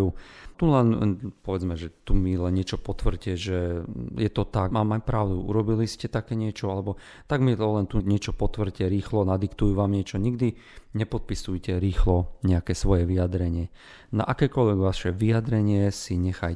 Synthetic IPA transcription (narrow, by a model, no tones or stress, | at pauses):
ut̪ulɛnpɔʋɛd͡zmɛʒɛt̪umilɛnːɲɪɛt͡ʃɔpɔt̪ʋr̩cɛʒɛjɛt̪ɔt̪amaːmajpɾaʊd̪uʔṵɾɔbiliscɛt̪akɛːɲɪɛt͡ʃɔalɛbɔ | t̪aɡmiɔlɛnt̪uɲɛt͡ʃɔpɔt̪ʋr̩cɛɾiːxlɔnad̪ikt̪ujuʋaːmɲɪɛt͡ʃɔɲiɡd̪i | ɲɛpɔt̪̚pisujcɛɾiːxlɔɲɛakɛːsʋɔjɛʋiad̪ɾɛɲɪɛ | na̰ʔakɛːkɔlʋɛɡʋaʃɛʋijad̪ɾɛɲɪɛsiɲɛxaj